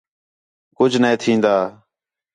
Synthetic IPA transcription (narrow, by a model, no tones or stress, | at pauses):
kʊd͡ʒʱneẽːt̪ʰĩːnd̪aː